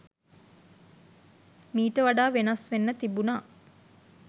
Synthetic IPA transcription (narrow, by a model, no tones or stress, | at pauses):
miːʈəʋaɖaːʋenasʋenːət̪ibunaː